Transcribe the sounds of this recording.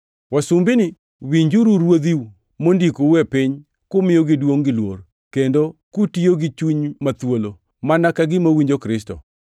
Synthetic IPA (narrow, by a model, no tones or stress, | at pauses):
wasumbɪnɪ | wiɲd͡ʒuɾuɾwod̪iwu | mondikowɛpɪɲ | kʊmɪjoɡɪdwoŋɡɪlwor | kendokutioɡɪt͡ʃuɲmat̪wolo | manakaɡɪmawiɲd͡ʒokɾɪstɔ̰